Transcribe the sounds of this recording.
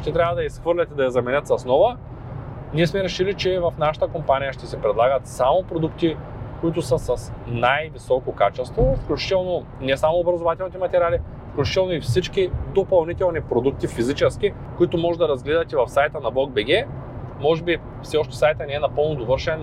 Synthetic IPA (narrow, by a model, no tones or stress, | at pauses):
ʃt̪ɛt̪ɾʲavəd̪ɐisxvɤɾlʲɛt̪ɛd̪ɐjɐzɐmɛnʲət̪sɐsnɔvə | niɛsmɛɾɛʃilit͡ʃɛvɐfnaʃə̥t̪əkompanijəʃt̪ɛsɛpɾɛd̪lˠaɡət̪samopɾod̪ukt̪i | koit̪ʊsɐsɐsnajvisɔkokat͡ʃɛst̪vofklʲut͡ʃi̥t̪ɛlˠno | nɛsamoːbɾɐzovat̪ɛlˠnit̪ɛmɐt̪ɛɾʲali | fklʲut͡ʃi̥t̪ɛlˠnoifsit͡ʃkid̪opɐlˠnit̪ɛlˠnipɾod̪uk̚t̪ifizit͡ʃɛsk̟i | koit̪omɔʒɛd̪ɐɾɐzɡlɛd̪ɐt̪ɛvɐfsajt̪ənɐblˠɔɡ̚bɛɡʲɛ | mɔʒɛbi | fsɛɔʃt̪ɛ̥sajt̪ənɛɛnɐpɤlˠnod̪ovɤɾʃɛn